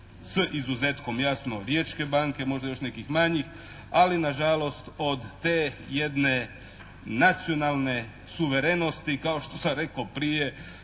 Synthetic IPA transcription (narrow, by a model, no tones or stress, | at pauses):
səʔizuzet̪ko̞mjasno̞ɾjet͡ʃke̞baŋke̞mo̞ʒd̪ajo̞ʃnekixmaɲix | alinaʒalo̞st̪o̞d̪ːeje̞d̪ne̞ | nat̪sijo̞nalˠne̞ | suʋe̞ɾeno̞st̪ikaoʃt̪o̞saɾe̞kopɾije̞